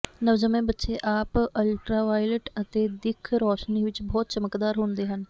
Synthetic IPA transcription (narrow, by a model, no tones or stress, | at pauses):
nəʋd͡ʒəmẽːbətːʃeːʔaːpəlʈɾaːʋaːiləʈət̪eːd̪ɪkʰɾɔːʃniːʋɪt͡ʃbɔːt̪̚t͡ʃəməkd̪aːɾɦʊ̃nd̪eːɦən